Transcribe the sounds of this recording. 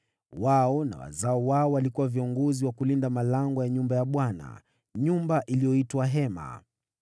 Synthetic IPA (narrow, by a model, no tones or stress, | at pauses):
waɔna̰wa̰zaɔwaɔwalikuwaviɔŋɡɔziwakulindamalaŋɡɔjaɲumbajaɓwana̰ | ɲumbaʔilijɔitwaɦɛma̰